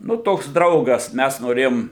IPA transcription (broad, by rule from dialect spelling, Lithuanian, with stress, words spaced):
ˈnʊ ˈtoːks ˈdrɐʊɡɐs ˈmʲæs noːˈrʲeːjoːm